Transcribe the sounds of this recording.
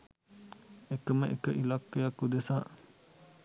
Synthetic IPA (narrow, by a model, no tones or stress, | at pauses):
ekəməʔekəʔilakːejakud̪esaʔ